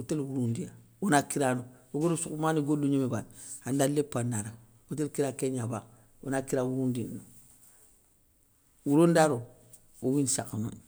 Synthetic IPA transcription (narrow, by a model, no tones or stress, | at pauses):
utelwuɾundija | wonakiɾanowoɡolusukmaniɡolːuɲemebanhandalepːandaɾa | otelkiɾakeɲaba | wo̰nakiɾawuɾundino | wuɾondaɾo | owinsakano̰